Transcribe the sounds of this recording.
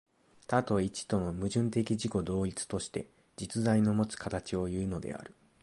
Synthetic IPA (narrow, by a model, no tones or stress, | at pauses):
t̪at̪o̞it͡ɕi̥t̪o̞no̞mɯ̟ʑɨ̃nt̪e̞kʲiʑiko̞d̪o̞ːit͡sɨ̥t̪o̞ɕi̥t̪e̞̰ | d͡ʑit͡sɨzaino̞mo̞t͡sɨ̥kat̪at͡ɕio̞jɯ̟ːno̞d̪e̞̰a̰ɾɯ̟